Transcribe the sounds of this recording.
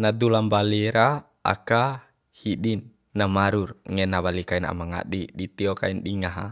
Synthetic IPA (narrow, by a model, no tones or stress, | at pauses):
nad̪ulambaliɾa | a̰ka | hiɗinː | amaɾurŋɛnaβalikaina̰maŋa̰ɗiɗit̪iɔkainɗiŋaɦa̰